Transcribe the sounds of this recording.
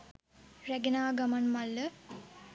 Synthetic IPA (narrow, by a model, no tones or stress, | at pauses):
ræɡenaːɡamanmalːə